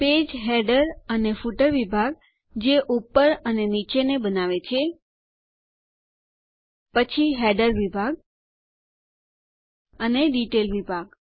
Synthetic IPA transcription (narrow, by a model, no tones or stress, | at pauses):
ped͡ʒɦeɖəɾənefuʈəɾʋibʱaɡ̚ | d͡ʒeʔupːəɾənenit͡ʃenebənaʋet͡ʃʰe | pət͡ʃʰiɦɛɖəɾʋibʱaɡ̚ | əneɖiʈelʋibʱaɡ